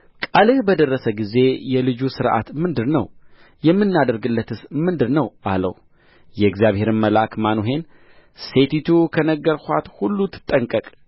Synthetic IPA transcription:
kʼalɨhbəd̪ərːəsəɡize̞jɛlɨd͡ʒusɨɾʔa̰t̪mɨnd̪ɨɾnəw | jɛmːɨnːad̪əɾɡɨlːət̪ʰɨsmɨnd̪ɨɾnəwʔalə̰w | jɛɨɡzijaβhe̞ɾɨnməlakmanoɦe̞n | se̞t̪ʰit̪ʰukʰənəɡːəɾhʷat̪hulːut̪ʰːɨ̥t̪ʼːəŋkʼəkʼ

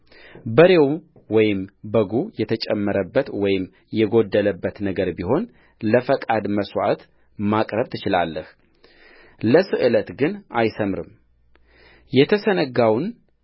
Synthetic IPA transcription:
bəɾe̞w | wɔjɪmbəɡujɛt̪ʰət͡ʃʼɛmːəɾəbːət̪wɔjɪm | jɛɡo̞d̪ːələbːət̪nəɡəɾbiɦo̞n | ləfəkʼad̪məswa̰t̪ | makʼɾəβt̪ʰɨt͡ʃɪla̰lːəh | ləsɨʔɨlət̪ɡɨnajsəmɾɨm | jɛt̪ʰəsənəɡawn

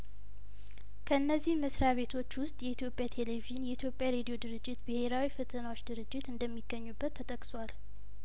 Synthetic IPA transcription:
kʰəɨnːəzːihməsɾaβe̞t̪ʰo̞t͡ʃːwʊst̪ʼjɛit̪jo̞pʼjat̪ʰe̞le̞viʒɨnjɛit̪ʰjo̞pʼjaɾed̪ijo̞d̪ɨɾɨd͡ʒːɪt̪bɨhe̞ɾawifɨt̪ʼɨnawo̞t͡ʃːd̪ɨɾɨd͡ʒːɪt̪ɨnd̪əmːiɡːəɲːubːət̪ʰːət̪ʼəkʼswal

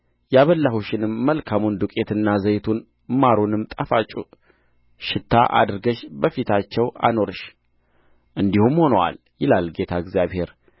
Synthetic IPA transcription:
jaβəlːahuʃɪnɨmːəlkʰamund̪ukʼe̞t̪ʰɨnːazəjt̪ʰun | maɾunɨmt̪ʼəfat͡ʃʼu | ʃɪt̪ʰːaʔa̰d̪ɨɾɡəʃbəfit̪ʰat͡ʃːɛwa̰no̞ɾɨʃ | ʔɨnd̪ihumho̞nəwa̰l | jɪlalɡe̞t̪ʰaɡzjaβhe̞ɾ

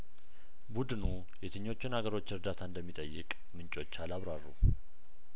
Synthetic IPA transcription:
bud̪ɨnu | jɛt̪ʰɨɲːo̞t͡ʃːɪnhaɡəɾo̞t͡ʃːɨɾd̪at̪ʰaɨnd̪əmːit̪ʼəjːɨ̰kʼ | mɨnt͡ʃʼo̞t͡ʃːalaβɾarːṵ

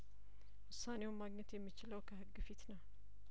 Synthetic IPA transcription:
wʊsːane̞wmaɡɲɛt̪jɛmːit͡ʃɪləwkʰəhɨɡːɨfit̪nəw

